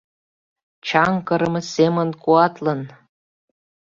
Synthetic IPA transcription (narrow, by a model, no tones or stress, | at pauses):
t͡ɕɑŋkɤ̆ɾɤ̆mɤsemə̆nkuɑt̪lɤ̆n